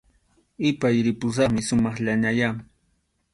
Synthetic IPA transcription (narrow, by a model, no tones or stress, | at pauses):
ɪpajɾɪpʊs̬ɑχmɪsʊmɑχʎaɲaja